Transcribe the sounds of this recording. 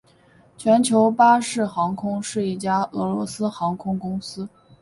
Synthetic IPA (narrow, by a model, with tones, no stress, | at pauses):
t͡ɕʰɥɛ˧˥nt͡ɕʰjo˧˥ʊpa˥ʂɻ̩˥˩xɑ˧˥ŋkʰʊ˥ŋʂɻ̩˥˧i˥˩t͡ɕja˥ɤ˧˥lwɔ̰˧˥sɹ̩˥xɑ˧˥ŋkʰʊ˥ŋkʊ˥ŋsɹ̩˥